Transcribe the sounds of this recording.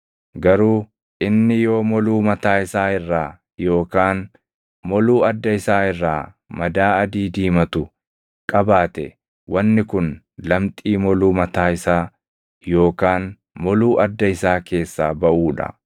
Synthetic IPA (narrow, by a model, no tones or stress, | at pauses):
ɡɐɾuː | ʔɪnːɪjo̞ːmɔluːmɐt̪aːɪsaːɪrːaː | jo̞ːkaːn | mɔluːɐd̪ːɐɪsaːɪrːaː | mɐd̪aːɐd̪iːd̪iːmɐt̪ʊ | kʼɐbaːt̪ɛ̰ | wɐnːɪkʊn | lɐmt̪ʼiːmɔluːmɐt̪aːɪsaː | jo̞ːkaːn | mɔluːʔɐd̪ːɐɪsaːke̞ːsːaːbɐʔuːᶑɐ̰